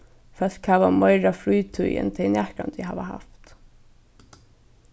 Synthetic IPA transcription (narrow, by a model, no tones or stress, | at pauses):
fɛl̥khaːʋamajɾafɾujt̪ʰujɛ̰nt̪ʰɛjnæhka̰nt̪ɪɦaːʋa̰ha̰ft̪